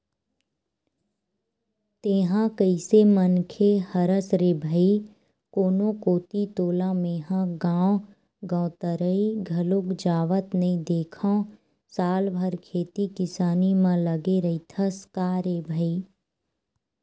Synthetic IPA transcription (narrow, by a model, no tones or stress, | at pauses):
t̪eːɦãkəisemənkʰehɐɾəsɾebʱəi | koːnõkoːt̪it̪oːlamẽːɦãɡãːw | ɡɔ̃ːt̪əɾəiɡʱɐlʊkd͡ʒaːʋət̪nɐĩd̪eːkʰã | saːlbʱəɾkʰeːt̪ikɪsaːnimãləɡeɾɐit̪ʰəskaːɾeːbʱəi